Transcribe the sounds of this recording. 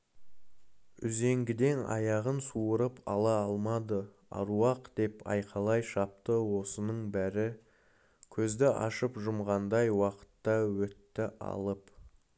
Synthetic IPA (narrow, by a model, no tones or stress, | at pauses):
ʏze̞ŋɡʲɪd̪e̞nɑ̰jɑʁənsuəɾəpʰɑ̰lˠɑɑlˠmɑd̪ə | ɑ̰ɾuɑqd̪̥e̞pɑ̰jqʰɑlˠɑjʃɑp̚t̪əwo̞sənəɴbæɾɪ | kʲʰɵzd̪ɪʔɑ̰ʃəpʒʊmʁɑnd̪ɑjwɑqə̥t̪ːɑwɵt̪ːɪʔɑ̰lˠəp